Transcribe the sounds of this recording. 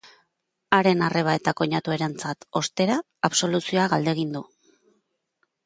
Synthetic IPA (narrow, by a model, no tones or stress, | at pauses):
aɾe̞nare̞β̞ae̞t̪ako̞ɲat̪ue̞ɾant͡sat̪o̞st̪e̞ɾaː | βso̞lusio̞aɣald̪e̞ɣ̞ind̪u